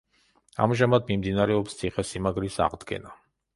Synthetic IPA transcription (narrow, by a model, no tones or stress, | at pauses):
a̰mʒamad̪mimd̪inaɾɛɔpst̪sʰiχɛsimaɡɾisa̰ʁd̪ɡɛ̰na